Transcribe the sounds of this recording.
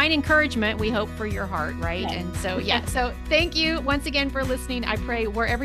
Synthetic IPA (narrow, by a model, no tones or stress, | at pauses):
ɪ̃ndɨ̃nkʰɜ˞ɨd͡ʒmɨ̃nʔwiɦoʊpfə˞jə˞ɦɑ̰ɹt̚ɹaɪt̚ɨ̰̃nsoʊjæ̰soʊ | θæ̃ŋkjʉwʌ̃nsɨɡɛ̃nfə˞lɪsnɪ̃ŋa̰ɪpʰɹ̥eɪwə˞ɛvɹ